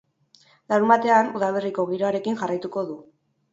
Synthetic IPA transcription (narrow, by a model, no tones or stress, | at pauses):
lawmbat̪e̞anuðaβ̞eriko̞ɣ̞iɾo̞aɾe̞kiŋʝarajt̪uko̞ðu